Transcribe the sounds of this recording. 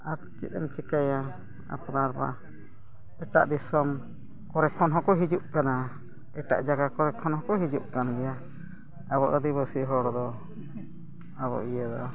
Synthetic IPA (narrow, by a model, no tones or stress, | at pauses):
aɾt͡ʃḭt̪̚ɛmt͡ʃikaja | a̰pnaɾba̰ | ɛʈa̰ʔd̪isɔm | kɔɾɛkʰɔnɦɔkɔɦid͡ʒuʔ̚kana | ɛʈa̰ʔd͡ʒaɡakɔɾɛkʰɔnɦɔkɔɦid͡ʒuʔ̚kanɡɛja | abɔʔəd̪iβəsiʔɦɔɽɔd̪ɔ | abɔ̰ʔijɛd̪ɔ